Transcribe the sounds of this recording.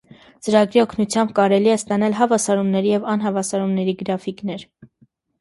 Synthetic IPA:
t͡səɾɑɡɾiɔkʰnut͡sʰjɑmb̚kɑɾɛliɛst̪ɑnɑlɦɑvɑsɑɾumnɛɾijɛvɑnɦɑvɑsɑɾumnɛɾiɡəɾɑfiknɛɾ

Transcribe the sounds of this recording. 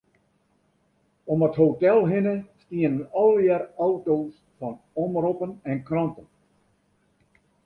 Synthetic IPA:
ɔməthowtɛlˠɦɪnəstiənəɔlˠjɛrɔwtows | fɔn | ɔmrɔpənɛnkrɑntən

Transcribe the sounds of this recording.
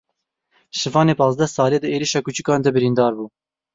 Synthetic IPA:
ʃɨvɑːneːpɑːzd̪ɛsɑːleːd̪ɨeːɾiʃɑːkut͡ʃukɑːnd̪ɛbɨɾind̪ɑːɾbuː

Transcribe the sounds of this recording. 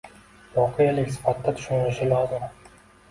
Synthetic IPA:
vɒqʰejalɪkʲsɪ̥fat̪ʰːat̪ʰʊ̥ʃʊnɾɪʃɪlɒzɪm

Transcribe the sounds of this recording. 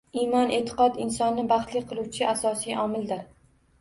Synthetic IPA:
imɒnet̪ʰɪ̥qɒt̪ɪnsɒnːɪbɑχt̪lɪqʰɨlˠuwt͡ʃʰɪʔasɒsijɒmɪld̪ɪɾ

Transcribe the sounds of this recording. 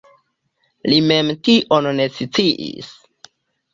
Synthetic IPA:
lime̞mtiʔonne̞sit͡siʔḭs

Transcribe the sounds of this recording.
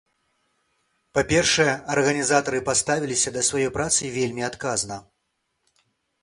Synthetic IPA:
papʲɛrʂɐjɛɐrɣɐnʲizat̪ɐɾɨpast̪avʲilʲisʲɐd̪ɐsvajɔjpɾat̪sɨvʲelʲmʲiat̪kaznɐ

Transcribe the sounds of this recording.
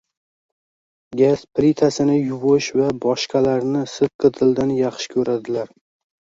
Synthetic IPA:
ɡʲasplit̪ʰasɪnɪjʊvɨʃvabɒʃqɑlaɾnɪsɨt̪̚qʰɨt̪ʰɪld̪anjɑχʃɪ̥kʲʰɵɾad̪ɪlaɾ

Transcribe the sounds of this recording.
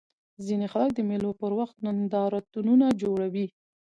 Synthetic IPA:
zinexalak̚d̪əmelopəɾwaxt̪nand̪ɑɾat̪ununad͡ʒoɽawi

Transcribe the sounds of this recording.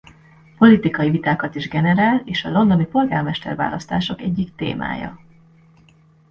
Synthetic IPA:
po̞lit̪ikɒjivit̪aːkɒt̪iʒɡɛnɛɾaːleːʃɒlo̞nd̪o̞nipo̞lɡaːrmɛʃt̪ɛ̰rva̰ːlɒst̪aːʃo̞kɛɟːikt̪ḛːma̰ːjɒ̰

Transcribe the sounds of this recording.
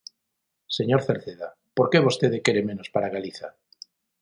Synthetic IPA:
se̞ɲoɾθeɾθeða | po̞ɾke̞βo̞st̪eðeke̞ɾemẽ̞nospaɾaɣaliθa

